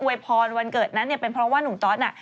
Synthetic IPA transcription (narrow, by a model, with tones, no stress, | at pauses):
ʔu˧əjpʰɔː˧nwa˧nkɤː˨˩t̪̚na˦˥nːi˥˩ɐpe˧npʰɾɔ˦˥waː˥˩nu˨˩˦ŋt̪ɔː˦˥t̪̚na̰˧˩